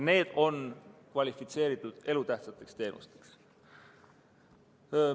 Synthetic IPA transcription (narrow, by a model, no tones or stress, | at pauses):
ne̞ːd̪̥o̞nkvɑlʲifit̪se̞ːɾit̪ːˑud̪̥e̞lut̪æht̪sɑt̪ːˑe̞kst̪e̞ːnʔṵst̪e̞̥ks